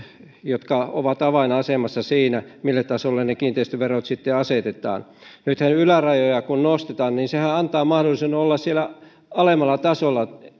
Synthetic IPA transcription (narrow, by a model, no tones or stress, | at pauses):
jot̪kɑo̰ʋɑt̪ɑʋɑinɑɑsemɑsːɑsiːnæmilːet̪t̪ːɑsolːennekiːnt̪eˑist̪ʋerot̪sit̪ːeɑset̪et̪ˑɑ̰ːnnyt̪hænylærɑjojɑkunnost̪et̪ɑːnninsehæɑnt̪ɑːmɑhdolisenolːɑssielæ | ɑlemɑlːˑɑt̪ɑsolːɑ